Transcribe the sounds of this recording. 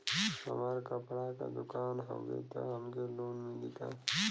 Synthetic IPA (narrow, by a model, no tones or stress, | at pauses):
sɐ̰maɾkapɽaka̰d̪ʊkaːnɦɐ̰ɡḛt̪a̰ɦɐmkeloːnmĩd̪it̪a